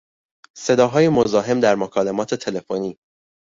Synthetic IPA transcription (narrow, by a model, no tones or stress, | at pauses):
se̞d̪ɒːɦɒːjemozɒːɦe̞md̪æɾmokʰɒːle̞mɒːt̪ʰe̞t̪ʰe̞le̞foniː